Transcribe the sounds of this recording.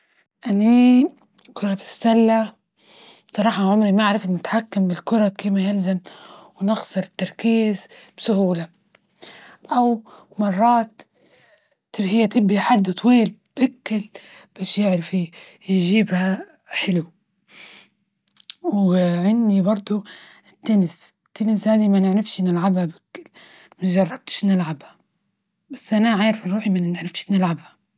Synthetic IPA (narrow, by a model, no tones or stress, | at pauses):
ʔani | kʊɾˤɑt̪ɪsːalːa | sˤɑɾˤɑːħɑʕʊmɾimaaʕɾɪfnːɪt̪ħakːambɪlkʊɾˤɑkiːmajalzamwnɪɣsˤɨɾɪt̪ːɑɾˤkiːzb̥sʊhuːla | ʔaw | mɑrˤːɑːt̪ | ɪhɪjːat̪ɪbhiħad̪ːt̪ˤwiːlb̥ʔɪkːɪlb̥aːʃjɪʕɾafi | jʒiːbha | ħɪlu | wʕɪnd̪ibɑɾˤd̪ˤʊ | t̪ːanɪs | t̪ːanɪshaːd̪imanɪʕɾɪfʃnɪlʕabhabɪkːɪl | maʒɑrˤːɑb̚t̪ɪ̥ʃnɪlʕabha | basːʔanaʕaːɾɪfɪːuːħimannʕɾɪfʃnɪlʕabhḁ